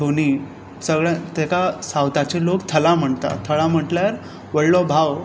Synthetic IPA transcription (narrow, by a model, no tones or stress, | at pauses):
oɽ̃i | səɡɭjãt̪ekasawt̪at͡ɕelokt̪ʰəlam̤əɳt̪a̰t̪ʰəɭam̤əʈljaɾ | ʋəɽlɔbʱaw